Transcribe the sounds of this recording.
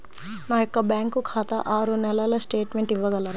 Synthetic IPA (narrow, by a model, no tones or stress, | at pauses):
nɐɦekːɐbɛ̃ːŋkːokʰaːt̪aʔaːɾonɛlɐlɐsʈeːʈmẽɳʈiʋɐɡɐlɐɾ